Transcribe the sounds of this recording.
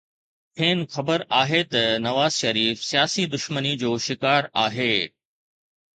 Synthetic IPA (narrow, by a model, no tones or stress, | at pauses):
pʰẽːnxɐbəɾaːɦet̪ɐnɐʋaːzʃɐɾiːfsijaːsid̪ʊʃmənid͡ʑoːʃɪkaːɾaːɦeː